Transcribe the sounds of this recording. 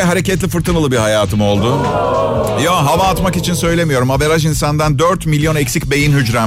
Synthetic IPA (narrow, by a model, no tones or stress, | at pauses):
ɦaɾe̞cɛt̪lʲifɯɾt̪ʰɯmɯlˠɯbihajaːt̪ʰɯmo̞lˠd̪ʊ | joɦavaːt̪makit͡ʃʰinsø̞jlʲe̞mijo̞ɾumaveɾaʒ̬insand̪and̪øɾt̪milʲjo̞nɛcsicbe̞jinhyd͡ʒɾæ